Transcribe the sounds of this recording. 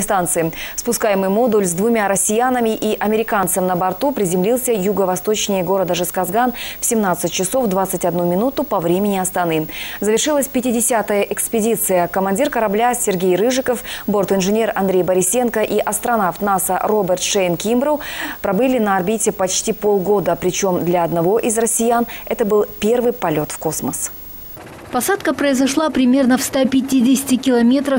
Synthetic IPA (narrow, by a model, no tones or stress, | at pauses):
st̪ant̪sɨɪfspʊskajɪmɨjmo̞d̪ʊlʲzd̪vʊmʲaɾəsʲɪjanəmʲɪʔiʔɐmʲɪɾʲɪkant̪səmnəbɐrt̪upɾʲɪzʲɪmlʲilˠsʲəjuɡəvɐst̪o̞t͡ɕnʲɪjəɡo̞ɾəd̪əʐɨskɐzɡanfsʲɪmnat̪sɨt̚ʲt͡ɕːɪso̞vd̪vat̪sɨtʲɐd̪numʲɪnut̪ʊpɐvɾʲemʲɪnʲɪɐst̪ɐnɨzəvʲɪrʂɨlˠəsʲpʲɪtʲɪdʲɪsʲat̪əjəʔɪkspʲɪdʲit̪sɨjəkəmɐnʲdʲirkəɾɐblʲasʲɪrɡʲejɾɨʐɨkəfbo̞rt̪ɨnʐɨnʲe̞rɐ̰nd̪ɾʲejbəɾʲɪsʲːe̞nkəʔiʔɐst̪ɾɐnaft̪nasəro̞bʲərt̪ʂejnkʲimbɾəwpɾɐbɨlʲɪnɐɐrbʲitʲɪpɐt͡ɕtʲipo̞lˠɡo̞d̪əpɾʲɪt͡ɕo̞md̪lʲɐɐd̪nɐvo̞ʔizrəsʲːɪjanɛt̪əbɨlˠpʲe̞rvɨjpɐlʲo̞t̪fko̞sməs | pɐsat̪kəpɾəɪzɐʂlˠapɾʲɪmʲe̞rnəfst̪apʲɪtʲidʲɪsʲɪ̥tʲɪkʲɪlˠɐmʲe̞t̪ɾəf